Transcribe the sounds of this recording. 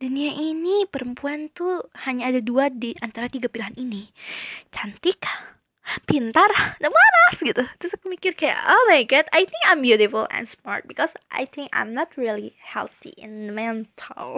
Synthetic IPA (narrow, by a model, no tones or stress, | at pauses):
duniaʔinipəɾəmpuant̪uhaɲaːdaduadiʔant̪aɾat̪iɡapilaɦaninit͡ʃant̪ɪk | pint̪ardamaɾasɡit̪ut̪ɾʊskəmikɪrkaja̰ʔomajɡat̪a̰jt̪ɪ̃ŋkãjmbjuɾɪfəlɛ̰̃nsma̰rt̪̚bikɔsʔa̰jt̪ʰɪ̃ŋkã̰jmnɔt̪̚ɹilihɛ̰lˠt̪ḭʔɛ̃nmɛnt̪ʰal